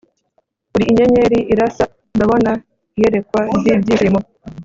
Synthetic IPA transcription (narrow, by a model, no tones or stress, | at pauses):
uɾiːɲeɲe̞ɾiiɾasa | ndaβo̞na | ije̞ɾe̞kwabɟiːbɟiːɾimo̞